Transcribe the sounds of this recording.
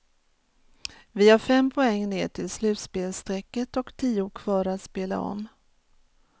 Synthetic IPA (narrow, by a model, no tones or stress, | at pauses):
vɪhaɾfɛmpʰʊɛŋːneːʈʰɪlslʉ̟ːt̪speːlst̪ɾɛkːət̪ɔkt̪ʰiːʊkʰv̥ɑːɾat̪speːla̰ɔ̰mː